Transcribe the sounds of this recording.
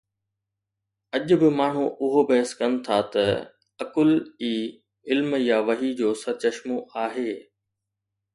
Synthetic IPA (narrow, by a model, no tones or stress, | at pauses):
ɐʄʊ̆bɪmaːɳ̤uʔʊɦobɐɦəskɐnɪ̆t̪ʰat̪ɐ | ɐkʊliː | ɪlmjaːʋɐɦid͡ʑoːsɐt͡ɕɐʃmoaːɦeː